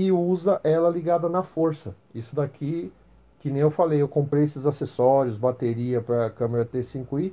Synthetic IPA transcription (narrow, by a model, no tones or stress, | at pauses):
ɪuzɐʔɛlɐliɡad̪ɐnɐfoɾsɐisʊd̪akʰi | kɪnẽj̃ewfalejewkõmpɾejesɪzasesɔɾjʊzbat̪eɾiɐpɾɐkɐ̃meɾɐt̪esĩŋkui